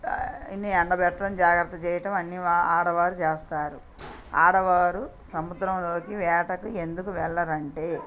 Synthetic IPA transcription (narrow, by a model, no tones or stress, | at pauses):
inːiɐɳɖɐbɛʈːɐɽɐmd͡ʒaːɡɾɐt̪ːɐt͡ʃɛːjɐʈɐmɐnːiaːɽɐʋaːɾut͡ʃeːst̪aːɾu | aːɽɐʋaːɾusɐmud̪ɾɐmlo̞ːkiʋɛːʈɐkue̞nd̪ukuʋɛɭːɐɾɐɳʈe̞ː